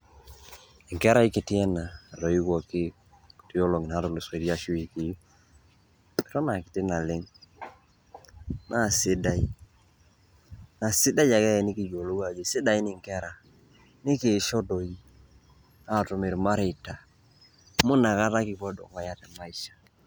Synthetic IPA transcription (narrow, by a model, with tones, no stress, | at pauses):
ɪ˨ŋkɛ˦ɾa˦i˦kɪ˨tɪ˦ɛ˦na˨do˨i˦kɔ˨kɪ˦˨ | to˨jɔ˦lo˨ŋɪ˨na˨˦ɾɔ˨lo˨se˨ɾi˦a˦ʃu˦i˨ki˨˦˨ | ɾɔ˦na˨kɪ˨tɪ˦na˨lɪ˦ŋ | na˦˨sɪ˦da˦i˦ | na˨sɪ˦da˦ja˨kɛ˦˨nɪ˦ki˨d͡ʒo˨lo˦ɡa˨d͡ʒe˨sɪ˦da˨i˦nɪ˨ŋkɛ˦ɾa˨ | nɪ˦ke˨ʃɔ˦do˨i˦ | a˦˨to˨me˨ɾma˦ɾe˨ta˨ | mʊ˦na˨ka˦ta˦kɪ˨pɔ˦dɔ̰˨ŋa˨ja˦tɛ˨ma˦i˦ʃḁ˨